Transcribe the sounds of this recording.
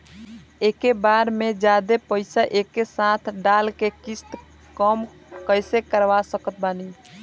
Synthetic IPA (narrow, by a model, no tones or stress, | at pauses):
ekebaɾmed͡ʒad̪epəɪsaʔekesat̪ʰɖalkekist̪ | kəm | kəjsekəɾʋasəkət̪̚bani